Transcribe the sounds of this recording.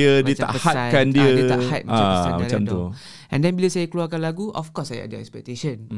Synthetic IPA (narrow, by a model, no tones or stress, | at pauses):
ədiət̪a̰ʔəhakandiədit̪aʔhat̪̚maaamat͡ʃamt̪u | ʔɛ̃ndɛ̃nbiləsajəkluakanlaɡuʔɔfkɔsajɛ̰dəɛ̰kspɛk̚t̪eʃə̃n